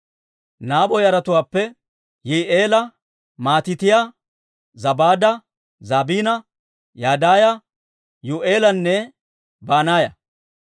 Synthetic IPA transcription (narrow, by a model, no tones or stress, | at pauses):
naːbɔjɐɾɐt̪ʊwaːpːɛ | jiːʔeːlɐ | maːt̪ɪt̪ɪjaː | zɐbaːd̪ɐ | zaːbiːnɐ | jaːd̪aːjɐ | jʊʔeːlɐnːɛ | baːnaːjɐ